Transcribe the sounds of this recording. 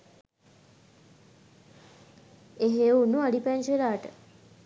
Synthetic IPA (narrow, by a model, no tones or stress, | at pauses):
eɦeunuaɽipænselaːʈə